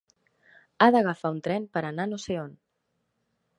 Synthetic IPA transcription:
aðəɣ̞əfaunt̪ɾɛnpəɾənanoseon

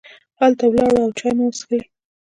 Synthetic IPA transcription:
halt̪awlɑɽaawt͡ʃɑjmawəsxi

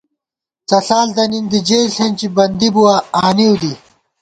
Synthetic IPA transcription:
t͡sɐɬaːld̪ɐnind̪id͡ʑeːlɬent͡ɕibɐnd̪ibuwaaːniwd̪i

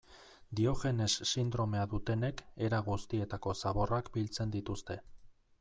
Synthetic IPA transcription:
d̪io̞ɣe̞ne̞sːind̪ɾo̞me̞aðut̪e̞ne̞ke̞ɾaɣust̪ie̞t̪ako̞saβo̞rakbilt͡se̞nd̪it̪ust̪e̞

